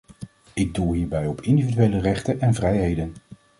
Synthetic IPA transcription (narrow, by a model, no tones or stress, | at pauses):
ɪɡ̚dulˠɦiːɹbɛjɔpʰɪndividyʋejlərɛχtənʔɛnvrɛjɦejdən